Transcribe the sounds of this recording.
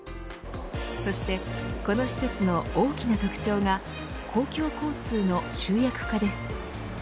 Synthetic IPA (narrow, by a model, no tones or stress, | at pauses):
so̞ɕi̥t̪e̞ko̞no̞ɕi̥se̞t͡sɨno̞oːkʲinat̪ʲokɯ̟̥t͡ɕo̞ːŋa | kʰo̞ːkʲo̞ːko̞ːt͡sɨːno̞ɕɨːjakɯ̟̥kad̪e̞sɨ̥